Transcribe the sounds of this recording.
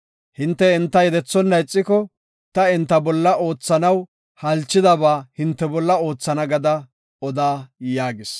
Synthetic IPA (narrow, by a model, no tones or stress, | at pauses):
hɪnt̪ːɛɛnt̪ːɐjɛd̪ɛt͡sːɔnːɐjt͡sʼːɪkɔ | t̪ɐɛnt̪ːɐbɔlːɐʔo̞ːt͡sːɐnɐw | hɐlt͡ʃːɪd̪ɐbaːhɪnt̪ːɛbɔlːɐo̞ːt͡sːɐnɐɡɐd̪ɐ | ɔd̪aːjaːɡɪs